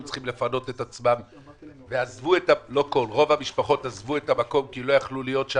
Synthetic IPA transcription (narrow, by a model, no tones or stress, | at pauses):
t͡sχimle̞fano̞t̪e̞t̪at͡smam | veazvuetalo̞ko̞lʁo̞vamiʃpaχo̞t̪azvuetamako̞mkilo̞jaχlulijo̞tʃ